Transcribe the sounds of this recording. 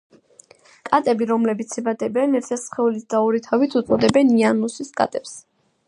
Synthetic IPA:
kʼat̪ʼɛbiɾɔmlɛbit̪sʰibad̪ɛbɛnɛɾt̪ʰiasχɛulisd̪aɔɾit̪ʰavit̪ʰut̪sʼɔd̪ɛbɛnianusiskʼa̰t̪ʼɛps

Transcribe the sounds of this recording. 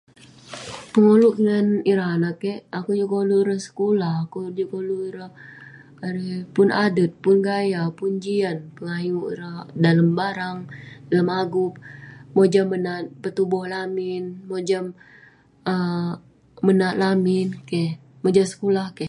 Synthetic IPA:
pəŋoluk̚ŋaniɾanakɛakud͡ʒukoluiɾasə̥kulahakud͡ʒukoluiɾaː | ɾepʊnadət̪̚pʊnɡajapuɲd͡ʒianpəŋaɦimuiɾadaləmbaɾaŋdalamaɡup̚mod͡ʒamːənat̪̚pət̪ubɔhlamɪnmod͡ʒam | əː | ənaʔ̪lamɪnkɛh | mod͡ʒasə̥kulahkɛ

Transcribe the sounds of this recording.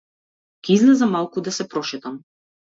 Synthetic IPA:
kʲɛizlɛzamalˠkud̪asɛpɾɔʃɛt̪am

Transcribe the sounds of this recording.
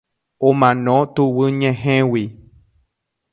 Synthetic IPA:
õmãnõt̪uwɨɲẽɦẽwi

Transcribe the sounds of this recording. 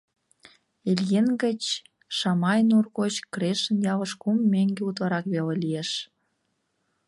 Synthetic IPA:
eljenɡət͡ɕ | ʃɑmɑjnurɣot͡ɕkreʃənjɑβəʃkumːeŋɡeut̪βɑɾɑkβelelieʃ

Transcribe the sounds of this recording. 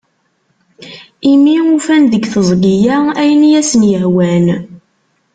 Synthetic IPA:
imiufænðəɡθəzˤɡijææjənjæsənjəhwæn

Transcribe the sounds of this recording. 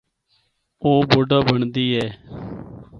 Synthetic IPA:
oːboːɖaːbəɳd̪iːɦɛː

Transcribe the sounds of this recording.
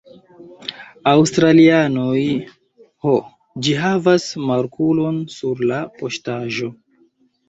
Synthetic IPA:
awstɾalianoj | ho | d͡ʒiɦavasmaɾkʰulo̞nsuɾlapo̞ʃtaʒo̞

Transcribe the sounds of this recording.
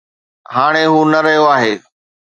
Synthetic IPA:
ɦaːɽ̃eɦuːnɐɾɐɦijoaːɦeː

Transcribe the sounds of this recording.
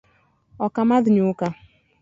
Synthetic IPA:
ɔkamaðɪɲʊka

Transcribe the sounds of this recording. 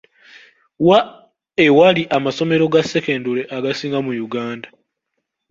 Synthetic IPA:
wa | e̞waliʔamaso̞me̞ɾo̞ɡase̞ke̞ːndule̞ʔaɡasiːŋɡamujuɡaːnda

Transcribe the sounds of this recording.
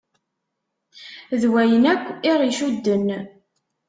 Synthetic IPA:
ðwæjənækʷːɪɾˤiʃud̪ːən

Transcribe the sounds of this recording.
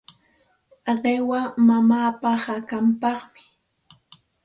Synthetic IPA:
ɢewamamaːpahakampɑχmɪ

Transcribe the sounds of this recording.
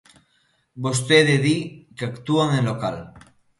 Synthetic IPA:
bost̪eðeðikeakt̪uaŋenlokal

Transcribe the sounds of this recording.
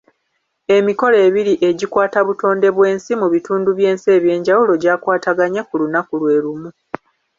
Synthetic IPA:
e̞miko̞le̞ːβiɾiʔe̞ɟikwaːtaβuto̞ːnde̞βwe̞ːnsimuβituːnduβje̞ːnse̞ːβje̞ːɲɟawulo̞ɟaːkwaːtaɡaɲekulunakulwe̞ːɾumu

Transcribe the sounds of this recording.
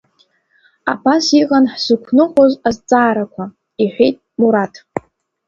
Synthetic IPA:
a̰basiʁanħzɨkʷʰnɨχʷozazt͡sʼaːɾakʷʰa | iħʷᶣejtʼmuɾatʰ

